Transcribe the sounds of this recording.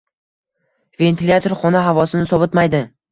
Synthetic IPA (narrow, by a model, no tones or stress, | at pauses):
ve̞nt̪ʰilʲat̪ʰoɾχɒnaɦavɒsɪnɪsɒbɪt̪majd̪ɪ